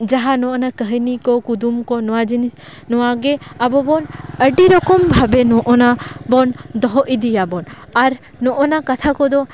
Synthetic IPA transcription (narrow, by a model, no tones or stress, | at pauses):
d͡ʒaɦanɔʔɔnakəɦənikɔkud̪umkɔnɔwad͡ʒinis | nɔwaɡɛabɔbɔnəɖiɾɔkɔmbʱabɛnɔʔɔnabɔnd̪ɔɦɔʔid̪ijabɔnaɾ | nɔʔɔnakat̪ʰakɔd̪ɔ